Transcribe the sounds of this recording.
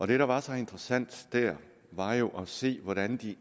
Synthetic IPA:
ʔɒ̽d̥e̝ɾɑ̈ʋɑ̈sɒ̽e̝nd̥ʁɐsæn̰d̥d̥æɐ̰ | ʋɑ̈jo̝ʔɒse̝̰ːʋɒɾænd̥i

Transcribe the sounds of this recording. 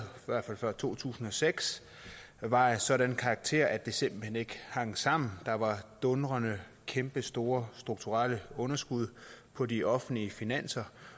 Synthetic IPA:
ʋæɐ̰̥fæl̰fɶɐ̰t͡sʰo̝̰ːt͡sʰṵːsn̩ɒ̽seɡ̥s | ʋɑ̈esɒ̽ɾænkʰɑ̈ːɡ̥̚t͡sʰe̝̰ɐ̰ʔæd̥e̝se̝m̰b̥l̩hene̝ɡ̥əhɑ̈ŋ̰sɑ̈m̰n̩d̥ɑ̈ʋɑ̈d̥ɔ̽nʁɐnə | kʰemb̥əsd̥o̝ːɐsd̥ʁuɡ̥̚t͡sʰuʁɑləɔ̽nɐsɡ̥uð̞̰ˠpʰɒ̽diʔɒ̽fn̩liəfinæn̰sɐ

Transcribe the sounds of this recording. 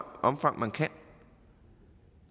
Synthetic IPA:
ʔɒ̽mfɑ̈ŋmʔænkʰæn

